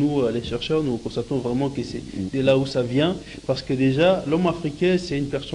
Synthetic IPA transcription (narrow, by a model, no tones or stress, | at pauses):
uøleʃɛʁʃœʁnukɔ̃st̪at̪ɔ̃vʁɛmɑ̃kəsɛd̪əlausavjɛ̃ | paʁsə̥kəd̪eʒalɔmafχikʲɛ̃sɛynpɛʁsɔ